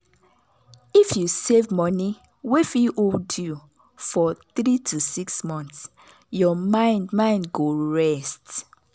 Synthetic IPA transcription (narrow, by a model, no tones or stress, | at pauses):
ifjusevmɔni | wifiʔwildu | fɔθɹitʰusiksmɔ̃nθs | jɔmãɪ̃ndmãɪ̃ndɡoɹɛst